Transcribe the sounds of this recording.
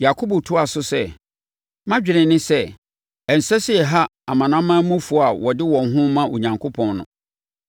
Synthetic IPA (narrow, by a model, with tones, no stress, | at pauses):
ja˨kʰo˦bo˨tʰʊ˦a˨sʊ˦sɛ˦ | mã˦d͡ʑᶣɪ˨ɾɪ̃˨nɪ̃˦sɛ˦ | ɛ˨n̩˨sɛ˦sɪ˦ɛ˨ɦa˦a̰˨mã˨nã˦mã˦mũ˦fʊ˨a˨wɔ˨dɪ˦wɔ̃˨nɦʊ̃˦mã˦ʔo˨ɲã˨ŋkʰo˦pʰɔ̃˨nnʊ̰̃˨